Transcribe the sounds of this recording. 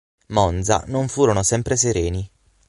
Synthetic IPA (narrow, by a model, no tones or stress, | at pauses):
mɔnd̪za̰noɱfuːɾonosɛmpɾeseɾeːni